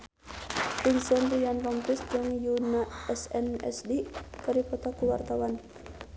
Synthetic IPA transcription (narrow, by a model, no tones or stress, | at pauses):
pinsɛnrijanlɔmpisd͡ʒɨŋjunaɛsɛnɛ̰sdik̪aɾipɔt̪akuwa̰rt̪awan